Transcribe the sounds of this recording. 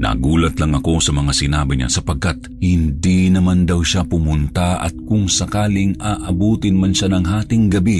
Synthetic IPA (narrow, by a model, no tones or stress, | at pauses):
na̰ɡuːlɐt̪lɐŋʔɐko̞sɐmɐŋasɪnaːbɪɲa̰sɐpɐɡ̚kat̪̚ | hɪnd̪inɐmand̪ɐwʃapʊmʊnt̪aʔɐ̰t̪̚kʊŋsɐkaːlɪŋaːʔɐbuːt̪ɪnmɐnʃanɐŋɦaːt̪ɪŋɡɐbi